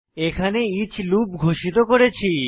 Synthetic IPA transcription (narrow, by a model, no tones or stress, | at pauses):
ekʰaneit͡ɕʰlub̚ɡʱoʃit̪okoɾet͡ɕʰi